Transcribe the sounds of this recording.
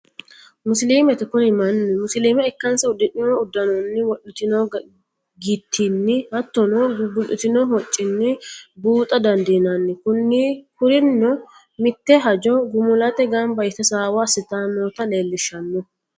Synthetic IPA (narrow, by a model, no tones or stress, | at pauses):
mʊsliːmɛt̪ɪkʊnɪmɐnːɪmʊsliːmɛɛkːɐnsɐʊd̪ːɪʔɪnɔɔʊd̪ːɐnɔnːɪwɔʔɪt̪ɪnɔ | ɡit̪ʰːɪnːɪhɐt̪ːɔnɔɡɡʊlɪ̰t̪ɪnɔhɔt͡ʃʼːɪnːɪbuːt̪ʼɐd̪ɐnd̪ɛnɐnːɪkʊnːɪkʊɾɪnːɔ | mɪt̪ːɛɦɐd͡ʒɔɡʊmʊlɐt̪ɛɡɐmbɐjt̪ːɐsaːwɐsɪt̪aːnɔːt̪ɐleːlːɪʃːɐnːɔ